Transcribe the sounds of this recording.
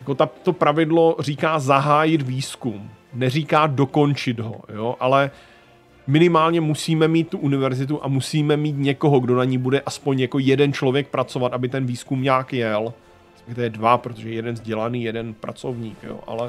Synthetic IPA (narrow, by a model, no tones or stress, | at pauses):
jako̞t̪at̪o̞pɾavɪdlo̞r̝iːkaːzaɦaːjɪt̪viːskumnɛr̝iːkaːdo̞ko̞nt͡ʃɪt̪ɦo̞joʔalɛ | mɪnɪmaːlɲɛmusiːmɛmiːt̪̚t̪ːuʔunɪvɛɾzɪt̪̬uʔamusiːmɛmiːt̪ɲɛko̞ɦo̞ɡdo̞naɲiːbudɛʔaspo̞ɲjako̞jɛdɛnt͡ʃlo̞vjɛk̚pɾat͡so̞vat̪ʔabɪt̪ɛnviːskumɲaːkjɛl | sɛt̪ɛjɛdvapɾot̪oʒɛjjɛdɛnzɟɛlaniːjɛdɛnpɾa̰t͡so̞vɲiːkjo̰ʔa̰lɛ